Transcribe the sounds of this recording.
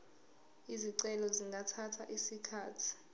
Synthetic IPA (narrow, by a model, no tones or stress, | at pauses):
iziǀɛlɔziŋɡʱatʰatʰaʔisikʰaːtʰi̥